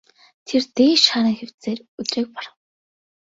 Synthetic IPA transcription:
t̪ʰert̪eːʃaːɾə̆ːŋxew̥t͡seːrut̪reːk̚pɔr

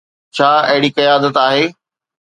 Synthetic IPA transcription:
t͡ɕʰaːɐɦɪɽikɐjaːd̪ət̪aːɦeː

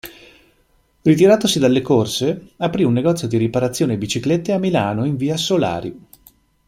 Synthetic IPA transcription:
rit̪̬iɾaːt̪osid̪alːekorseapɾiunːeɡɔt̪sːjod̪iɾipaɾat̪sːjoːnebit͡ʃiklet̪ːeamːilaːnoiɱviːasola̰ːɾḭ

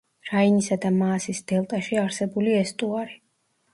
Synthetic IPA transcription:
ɾainisad̪amaːsisd̪̥ɛlˠt̪ʼaʃiaɾsɛbuliɛst̪ʼuaɾi

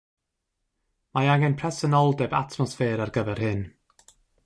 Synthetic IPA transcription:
majaɡɛnpʰrɛsənɔlˠdɛba̰tʰmɔsfɛːɾarɡəvɛrhɨn

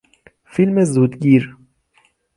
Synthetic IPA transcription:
filmezuːd̪ɡiːɾ

